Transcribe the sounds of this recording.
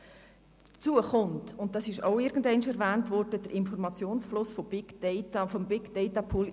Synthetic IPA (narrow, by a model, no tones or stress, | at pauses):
t͡suəχʊntʊnt̚d̥ɑsɪʃoʊɪɾɡ̥ən̩dɛɪnʃɛɾvæːntvɔɾd̥əd̥əɾʔɪnfɔɾmɑt͡sjoːnsflʊsfob̥ɪɡ̥d̥ɛɪtafombɪɡ̥d̥ɛɪtɑpʰuːl